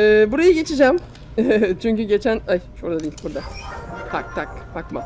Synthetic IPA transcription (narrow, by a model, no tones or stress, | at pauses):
ɛːbuɾajɯɟe̞t͡ʃʰid͡ʒæm | t͡ʃʰyɲcyɟe̞t͡ʃʰænajʃoɾd̪ad̪iilʲbuɾd̪at̪ʰak̚t̪ʰakbakmaz̥